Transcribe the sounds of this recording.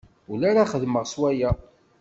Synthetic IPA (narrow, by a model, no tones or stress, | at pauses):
ʊlaɾaχəðməʁswæjæ